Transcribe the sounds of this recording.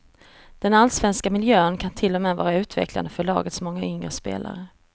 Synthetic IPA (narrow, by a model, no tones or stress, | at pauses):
d̪̥ɛnalsvɛnskamɪljøːənkʰant̪ʰɪlːɔmɛːvɑ̰ːɾaʉ̟ːt̪ʰvɛ̰kla̰nd̪əfœɭɑ̰ːɡət̪smɔŋːaʏŋɾəspḛːla̰ɾə